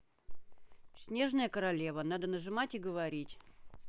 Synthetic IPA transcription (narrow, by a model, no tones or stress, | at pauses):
sʲnʲe̞ʐnəjəkəɾɐlʲe̞vənad̪ənəʐɨmatʲiɡəvɐɾʲitʲ